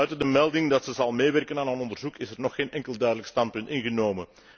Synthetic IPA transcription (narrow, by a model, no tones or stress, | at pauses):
œɥtədəmɛlˠdɪŋdɑtsəzɑlˠmeːʋɛrkənaːnɦanɔndərzukɪsɛrnɔxːeːnʔɛŋkəlˠdœːɥdələkstɑnt̚pʏntɪnɣənoːwmən